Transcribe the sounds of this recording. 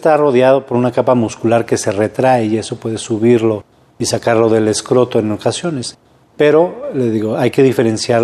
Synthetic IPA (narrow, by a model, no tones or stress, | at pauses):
st̪aro̞ðjað̞o̞po̞ɾunakapamuskulaɾke̞se̞re̞t̪ɾaeie̞so̞pwe̞ðe̞suβiɾlo̞ | isakaɾlo̞ðe̞le̞skɾo̞t̪oeno̞kasjo̞ne̞s | pe̞ɾo̞leðiɣo̞ajke̞ðife̞ɾe̞nsjaɾ